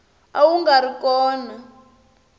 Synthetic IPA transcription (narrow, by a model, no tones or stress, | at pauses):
awuŋɡaɾikɔːna